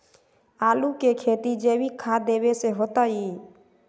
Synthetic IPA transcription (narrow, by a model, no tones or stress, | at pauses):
aːlukekʰeːt̪id͡ʒeːbikʰad̪eːweseɦoːt̪ai